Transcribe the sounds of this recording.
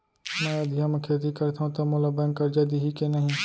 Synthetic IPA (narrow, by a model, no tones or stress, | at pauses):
mɛ̃ːɐd̪ʱjaməkʰeːt̪ikɐɾt̪ʰaɦũt̪ɐmolabɛŋkəɾd͡ʒaːd̪iɦikenɐɦĩ